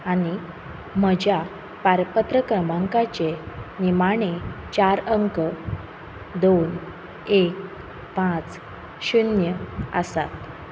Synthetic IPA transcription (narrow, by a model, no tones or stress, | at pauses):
aɽ̃i | m̤əd͡ʑja | paɾpət̪ɾəkɾəmãŋkat͡ɕenimaɽ̃et͡ɕaɾəŋkə | d̪on | ek̚ | pãt͡s | ɕunjəə̰sa̰t̪